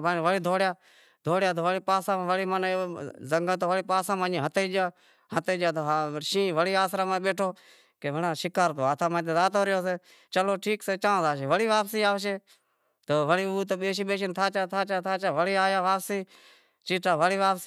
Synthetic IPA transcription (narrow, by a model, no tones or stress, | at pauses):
baːnʋəɽiːd̪ʱoːɽjaː | d̪ʱoːɽjaːt̪oːʋəɽiːpaːsãːmãːʋəɽiːmənzəŋɡət̪oːʋəɽiːpaːsaːmãːĩːɦət̪eːd͡ʒaː | ɦət̪eːd͡ʒjaːt̪oːaʃĩːʋəɽiːaːsɾaːmãɓeːʈʰoː | keːʋəɳãːʃɪkaːɾt̪oːaːt̪ʰaːmãːt̪̬ẽːzaːt̪oːɾɪjoːseː | t͡ʃəloːʈʰiːkseːt͡ʃãːzaːʃeːʋəɽiːʋaːpsiːaːʋʃeː | t̪oːʋəɽiːuːt̪oːɓeːʃiːɓeːʃɪnt̪ʰaːt͡ʃaːt̪ʰaːt͡ʃaːt̪ʰaːt͡ʃaːʋəɽiːaːjaːʋaːpsiː | t͡ʃiːʈaːʋəɽiːʋaːpsi